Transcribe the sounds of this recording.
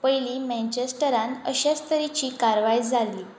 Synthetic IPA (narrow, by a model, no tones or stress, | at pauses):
pəjliːmɛ̃nt͡ɕesʈəɾãnəɕast̪əɾit͡ɕikaɾʋajd͡zʱaliː